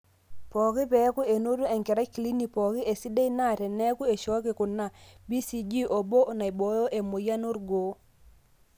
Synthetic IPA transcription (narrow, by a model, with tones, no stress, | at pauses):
pɔ˨kɪ˦pɛ˨˦ku˦e˨no˦tu˦e˨ŋkɪ˨ɾa˦kːi˨li˦ni˨pɔ˨ki˦ʔe˨si˦de˦i˦na˦˨tɛ˨nɛ˦ku˦e˨ʃɔ˦kɪ˨kʊ˨na˨bi˦si˨d͡ʒi˦ʔo˨bo˦˨na˨i˨bo˨˦jo˦ʔe˨mo˨ja˦no˦ɾɡo˦